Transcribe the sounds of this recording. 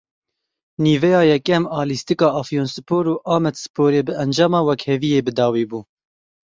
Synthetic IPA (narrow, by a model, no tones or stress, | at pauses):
niːvɛjɑːjɛkːɛmɑːlist̪ikɑːʔɑfjoːnsɨ̥pʰoːɾuːʔɑːmɛd̪sɨ̥pʰoːɾeːbɨɛnd͡ʒɑːmɑːwɛkhɛvijeːbɨd̪ɑːwiːbuː